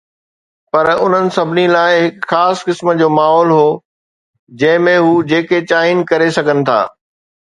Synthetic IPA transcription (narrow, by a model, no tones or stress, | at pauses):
pɐɾʊn̤ənɪ̆sɐbʱɪnilaːɪɦɪkxaːskɪsməd͡ʑoːmaːɦɔːlɦoː | d͡ʑɐ̃ɦɪ̃mẽɦuːd͡ʑeːket͡ɕaːɪn̆kɐɾesɐɡʱənɪ̆t̪ʰa̰ː